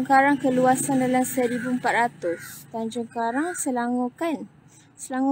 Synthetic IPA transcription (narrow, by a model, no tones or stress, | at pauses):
ŋkaɾaŋkəluasandalamsəɾibuəmpat̪̚ɾat̪ʊst̪and͡ʒɔŋkaɾaŋsəlaŋkan | səlaŋu